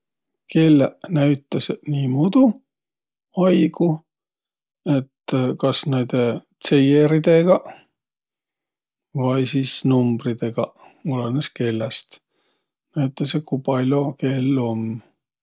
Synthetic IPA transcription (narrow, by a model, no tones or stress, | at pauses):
ke̞lːnæɥt̪ːˑɑseniːmud̪̥u | ɑjɡ̥u | e̞t̪ːkɑsned̪̥et̪se̞jeɾid̪̥e̞ɡ̥ɑ | vɑjsiːsnumb̥rid̪̥e̞ɡ̥ɑ | oleneske̞lːest̪ | næyt̪ːˑɑsjekujpɑlʲjo̞ke̞lːo̞m